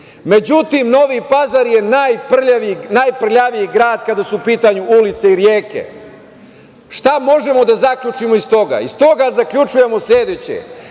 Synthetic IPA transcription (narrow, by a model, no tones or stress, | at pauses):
me̞d͡ʑut̪imno̞ʋipazaɾje̞naːjpr̩ʎaʋiinajpr̩ʎaʋijiɡɾaːd̪kad̪asuːpiːt̪aɲuʔulit̪seiɾjeːkḛ | ʃt̪amo̞ʒe̞mo̞d̪azakʎʲut͡ʂimoist̪o̞ɡa̰ist̪o̞ɡazakʎʲut͡ʂuje̞mo̞sʎʲe̞d̪et͡ɕḛ